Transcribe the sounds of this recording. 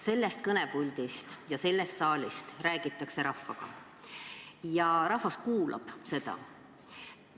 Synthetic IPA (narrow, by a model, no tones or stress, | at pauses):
se̞lːe̞st̪̚kɤnebulʲd̪̥ist̪jɑse̞lːest̪sɑːlʲist̪ræːɡ̥it̪ːˑɑkse̞ɾɑfːɑɡ̥ɑ̰ | jɑɾɑhvɑskuːlʔɑ̰b̥se̞d̪̥ɑ̰